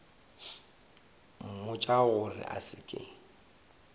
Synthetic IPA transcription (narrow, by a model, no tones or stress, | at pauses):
m̩mʊt͡ʃʼaɣʊrɪ̰ʔa̰sɪkʼɪ̰